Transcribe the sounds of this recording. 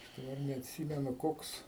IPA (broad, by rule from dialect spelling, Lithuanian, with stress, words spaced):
dɐˈbɐr nʲɛɐtʲˈsʲiːmʲɛnʊ ˈkoːks